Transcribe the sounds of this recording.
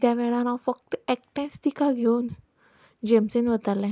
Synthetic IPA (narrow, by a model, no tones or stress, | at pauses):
t̪jaʋɛɽãnãfək̚t̪ɛk̚ʈɛ̃st̪ikaɡʱewn | d͡ʑemsənʋət̪alɛ̃